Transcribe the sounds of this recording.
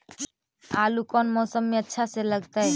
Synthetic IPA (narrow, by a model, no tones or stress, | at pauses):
alukɔnmɔːsəmːeətːʃʰaseləɡt̪əj